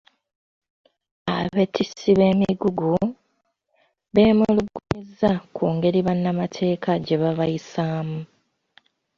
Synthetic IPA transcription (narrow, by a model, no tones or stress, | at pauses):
aβe̞tʰisiβe̞ːmiɡuɡu | βe̞ːmuluɡːuɲizːakʰuːŋɡe̞ɾiβanːamatʰe̞ːkʰaɟe̞βaβajisaːmu